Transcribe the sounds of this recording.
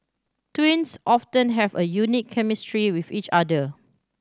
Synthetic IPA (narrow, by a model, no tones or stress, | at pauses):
twĩnsʔɔftə̃nɦɛvəjunikʰːɛmistɹiwifit͡ʃadə